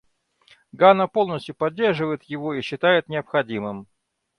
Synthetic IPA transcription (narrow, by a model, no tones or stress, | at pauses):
ɡanəpo̞lˠnəsʲtʲjʊpɐdʲːe̞rʐɨvəjɪt̪jɪvo̞iɕːɪt̪ajɪt̪nʲɪəpxɐdʲimɨm